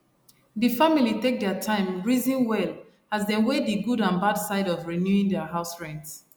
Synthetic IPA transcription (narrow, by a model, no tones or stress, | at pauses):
ðɨfamilitek̚dɛtʰãɪ̃mɹizĩnwɛl | azdɛ̃nwediɡudãnbadsaɪɾɔvɹinjuĩŋdɛɦaʊsɹɛ̃nts